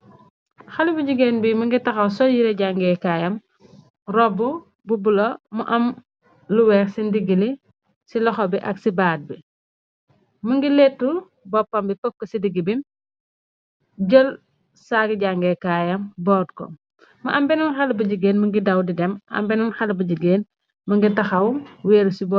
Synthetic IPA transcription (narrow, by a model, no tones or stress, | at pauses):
xɐlibuɟuɡeːnbimuŋɡitɐxɐwsɔjiɾɛɟaŋɡɛkaːjɐm | rɔbu | bubulɔmuʔɐm | luwɛːksindiɡili | silɔxɔbiʔɐksibaːd̚bi | muŋɡiletːu | bɔpːɐmbipəkːɔsidiɡibim | ɟɔl | saːɡiɟaŋɡɛːkajɐmbɔːdkɔ̰ | mɐʔɐmbɛnumxɐlbuɟiɡeːnməŋɡidɐwdidɛmɐ̰mbɛnunxɐlbuɟiɡeːn | mɐŋɡitɐxɐwwɛːɾusibɔ